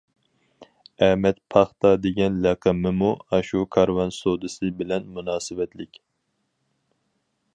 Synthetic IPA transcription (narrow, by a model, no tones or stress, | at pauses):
ɛmɛt̪pʰɑχt̪ɑd̪eɡʲɛnlɛqʰɨmɨmuɑʃukʰɑɾwɑnsod̪ɨsɨbɪlɛnmunɑːsɨvɛt̪ʰlɪkʲ